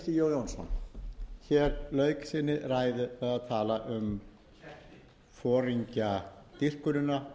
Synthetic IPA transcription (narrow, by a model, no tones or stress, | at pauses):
t̪ijoːwjownsɔ̰nçɛːɾlœːɥksɪnːɪraːjðʏaðaðt̪ʰaːlaʔʏm | fɔːɾiɲcat̪ir̥kʏnʏna